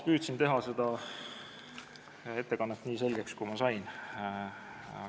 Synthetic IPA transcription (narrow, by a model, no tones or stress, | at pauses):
pyːt̪sint̪e̞ɦɑse̞d̪̥ɑ | e̞t̪ːe̞kɑnːet̪ːˑniːs̬e̞lʲɡ̥e̞kskujmɑsɑjn